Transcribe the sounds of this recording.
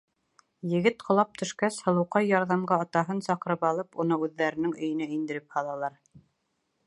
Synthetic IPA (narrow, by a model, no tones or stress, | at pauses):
jɘ̆ɡɘt̪qʰŏlˠɑp̚t̪ʰɵ̆ʃkæshɤ̆lˠɤ̆wqɑjːɑɾðɑmɢɑɑt̪ɑɦɤnsɑqɤ̆ɾɤpɑlˠɤpunɤʉðːæɾɘ̆nɘŋɵ̆jɘ̆næind̪ɘ̆ɾɘphɑlˠɑlˠɑɾ